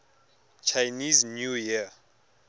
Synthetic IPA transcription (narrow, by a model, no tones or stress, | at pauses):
t͡ʃʰajniznjujia